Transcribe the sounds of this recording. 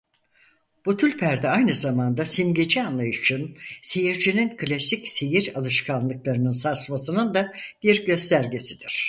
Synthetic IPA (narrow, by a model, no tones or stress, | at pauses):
b̥ut̪ʰylʲpʰæɾd̪ɛajnɯzamand̪asimɟed͡ʒianlˠajɯʃɯnse̞jiɾd͡ʒininkʰɯlʲasicse̞jiɾalˠɯʃkʰanlˠɯklˠaɾɯnɯnsasmasɯnɯnd̪ab̥iɾɟø̞st̪ʰæɾɟe̞sid̪̥iɾ̥